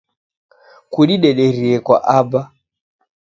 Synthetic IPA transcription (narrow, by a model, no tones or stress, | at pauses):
kuɗiɗɛɗɛɾiɛkwa̰ʔaba